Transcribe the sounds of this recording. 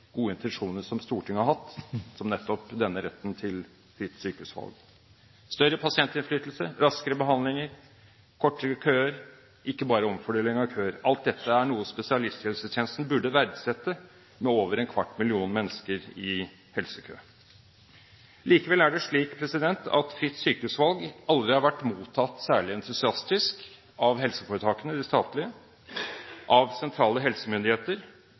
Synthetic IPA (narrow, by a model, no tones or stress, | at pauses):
ɡ̥uːəɪnt̪ɛnʂuːnəʂɔmst̪uːʈʰɪŋhɑɾhɑt̪ːsɔmnɛt̪ːɔpd̪ɛnːəɾɛt̪ːnt̪ʰɪl | fɪt̪syːkəʉsʋɑ̰lɡ | st̪œɾəpʰɑsɪɛnt̪ɪnflyːt̪l̩sə̰ɾɑskəɾəbəɦɑnlɪŋəɾ | kʰɔʈːəɾəkʰøːəɾ | ʔɪkːəbɑːɾəɔmfɔɖeːlɪŋɑʋkʰøːəɾɑlt̪̚d̪ɛt̪ːəæɳuːəspɛsɪɑlɪst̪hɛlsəjɛnst̪n̩bʉɖəʋæɾd̪sɛt̪ːə | mɛoːʋəɾɛnkʰʋɑʈːmɪlɪuːnmɛnːəskəɾɪ | hɛlsəkʰø̰ː | liːkəʋɛlæɖɛʂɭiːkpʰɾɛsɪd̪ɛnt̪ʰɑ̰t̪fɾɪt̪ːsyːkəʉsʋɑlɡɑld̪ɾɪhɑɾʋæʈːmuːt̪ʰːɑt̪ːsæːɭɪɛnt̪ʰʉsɪɑst̪ɪsk | ɑʋɦɛlsəfoːɾət̪ʰɑːkənəd̪ɪst̪ɑːt̪lɪə | ʔɑʋsɛnt̪ʰɾɑːləɦɛlsəmʏnd̪ɪheːt̪əɾ